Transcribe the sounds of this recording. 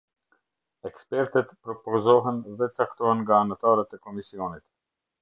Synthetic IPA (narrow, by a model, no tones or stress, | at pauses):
ɛkspɛɾt̪ət̪pɾɔpɔzɔɦɛnðɛt͡sakt̪ɔhɛnŋɡaːnat̪aɾət̪ɛkɔmisiɔnit̪